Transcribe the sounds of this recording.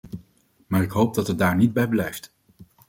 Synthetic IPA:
maːɹɪkɦowp̚dɑtət̚daːɹnid̚bɛjblɛjft

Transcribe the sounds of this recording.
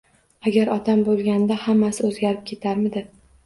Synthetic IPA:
aɡʲaɾɒt̪ʰambolˠɡʲand̪ahamːasɪɵzɡʲaɾɪp̚kʲʰe̞t̪ʰaɾmɪd̪ɪ

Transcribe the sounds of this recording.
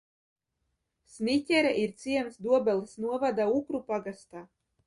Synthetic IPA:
snitʲɛɾaʔiɾt̪siɛmsd̪uɔbɛlˠsnuɔvad̪aukɾupaɡast̪aː

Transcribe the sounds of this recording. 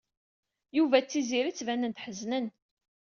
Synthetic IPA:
juvæt͡sːiziɾit͡sːvænənt̪ħəznən

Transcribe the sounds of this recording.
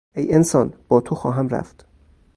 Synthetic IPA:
ʔejensɒːnb̥ɒːt̪ʰoxɒːɦæmɾæ̰ft̪

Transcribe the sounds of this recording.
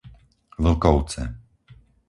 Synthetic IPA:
vl̩kɔʊt͡sɛ

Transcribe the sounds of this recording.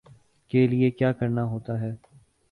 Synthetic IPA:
keliekjaːkɐɾnaɦoːt̪aɦɛː

